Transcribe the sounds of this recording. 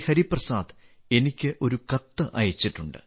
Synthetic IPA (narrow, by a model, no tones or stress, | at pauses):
hɐɾiprɐsaːd̪ | e̞nikʲːɨʔo̞ɾukɐt̪ːɨʔɐ̰jɐt͡ɕːiʈːuɳɖɨ̰